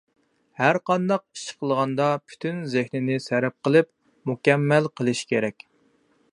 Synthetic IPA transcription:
hæɾqɑnd̪ɑq̚i̥ʃɪ̥qʰəlˠʁɑnd̪ɑpʰy̥t̪ʰynzɪhnɪnɪsɛɾɛp̚qəlˠɨp̚ | mukʲɛmːɛlqʰəlˠɨʃkʲeɾɛkʲ

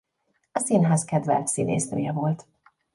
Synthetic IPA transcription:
ɒsinɦaːskɛd̪vɛ̰lt̪sinʔḛːsmrøjɛvo̞lt̪

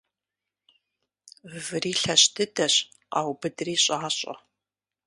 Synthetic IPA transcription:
vɨriːɬɐɕdʰɨdɐɕ | a̰ːwbɨdriːɕʼaːɕʼɐ̰

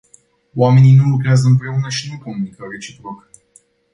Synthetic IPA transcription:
wame̞nijnulukɾeazəɨmpɾe̞unəʃinupunːikaɾe̞t͡ʃipɾok

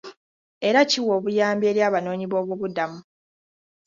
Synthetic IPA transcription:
e̞ɾaciwo̞ːβujaːmbje̞ːljaːβano̞ːɲiβo̞ːβuβudamu

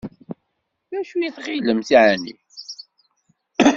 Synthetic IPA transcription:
ðæʃujiθχiləmθiʕænḭ

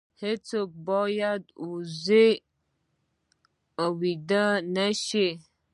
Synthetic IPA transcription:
het͡sok̚bɔjad̪uze | awid̪ənaʃe

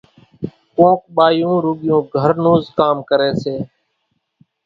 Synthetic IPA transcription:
kõːkɓaːjũːɾʊːɠɪjũːɡʱəɾnuːzkaːmkəɾeːseː

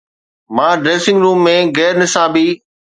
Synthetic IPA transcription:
mãːɖɾeːsɪ̃ŋɡɾũːmːẽːɣɛːɾnɪsaːbiː

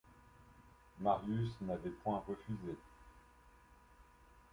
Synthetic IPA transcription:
maʁjysnavɛpwɛ̃ʁəfyze

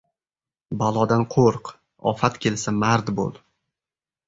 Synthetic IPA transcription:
balˠɒd̪anqʰoɾq | ɒ̰fat̪kʲʰe̞lsamaɾd̪bo̰lˠ

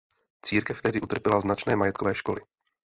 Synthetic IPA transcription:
t͡siːɾkɛft̪ɛɦdɪʔut̪r̩pɛlaznat͡ʃnɛːmajɛt̪̚kovɛːʃko̞̰lɪ

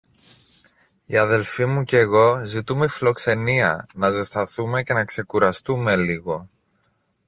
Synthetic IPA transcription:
iɐðe̞lfimuceɣo̞zit̪ume̞iflo̞kse̞niɐ̰nɐzest̪ɐθume̞ce̞nɐkse̞kuɾɐst̪ume̞liɣo̞

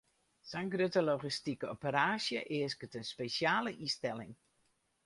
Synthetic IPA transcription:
sɛjnɡrøtəloɣistikəopəɾaːsjəʔɪəskətənspesjaːləʔistɛlɪ̰ŋ

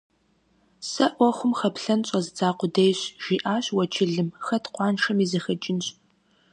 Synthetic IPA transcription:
sɐʔʷɔχʷʊmχɐpɬɐnɕʼɐzɨt͡saːqʷʊdejɕʒ̥iːʔaːɕwɐt͡ʃʰɪɮɨmxɐtʰqʷɑːnʂɐmiːzɐxɐt͡ʃʼɪnɕ

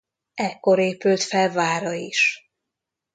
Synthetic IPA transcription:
ɛkːo̞ɾeːpylt̪fɛlvaːɾɒiʃ

